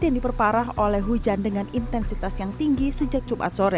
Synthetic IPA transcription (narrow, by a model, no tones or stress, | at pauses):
jaŋdipərpaɾaɦolɛhɦud͡ʒandəŋanint̪ɛnsit̪asjaŋt̪iŋɡisəd͡ʒak̚t͡ʃupa̰t̪̚soɾɛ